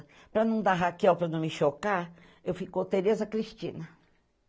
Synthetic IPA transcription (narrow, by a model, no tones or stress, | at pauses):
pɾɐnɐ̃w̃d̪aɦakɛwpɾɐnɐ̃w̃miʃokaɾ | ewfikot̪eɾezɐkɾiʃt͡ʃ̪ḭ̃nɐ